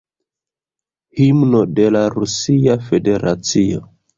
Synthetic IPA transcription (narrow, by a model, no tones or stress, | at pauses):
himnode̞laɾusiafede̞ɾa̰t͡sio̰